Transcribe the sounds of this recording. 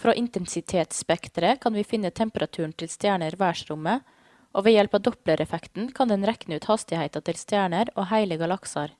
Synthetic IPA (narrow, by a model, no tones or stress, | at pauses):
fɾoːʔɪnt̪ɛnsɪt̪ʰeːt̪spɛkt̪ɾəkʰɑnʋiːfɪnːət̪ʰɛmpəɾɑt̪ʰʉːɳ̩t̪ʰɪlst̪jæːɳəɾʋæːʂɾʊmə | ʔoːʋeːjɛlpɑːʋd̪ɔpləɾʔɛfɛkt̪n̩kʰɑnd̪ɛnɾɛknəʉːt̪hɑst̪ɪhæɪt̪ɑt̪ʰɪlst̪jæːɳəɾoːhæɪləɡɑlɑksɑɾ